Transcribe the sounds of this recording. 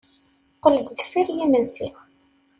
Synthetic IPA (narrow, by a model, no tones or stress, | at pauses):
qələd̪ðfiɾjimənsi